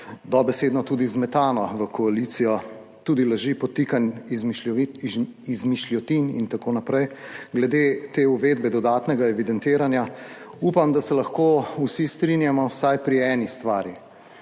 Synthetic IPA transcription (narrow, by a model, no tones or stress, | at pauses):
d̪ɔbɛseːd̪nɔt̪uːd̪izmɛt̪aːnɔʋəkʰɔalit̪sijɔ | t̪uːd̪ilaʒipɔt̪ikan | izmiʃljɔt̪inḭnt̪akonapɾɛjɡlɛd̪et̪euʋeːd̪̚bɛd̪ɔd̪aːt̪nɛɡaɛʋid̪ɛnt̪eːɾanja | upamd̪asɛlɐxkousist̪ɾinjamɔwsajpɾiɛːnist̪ʋaːɾji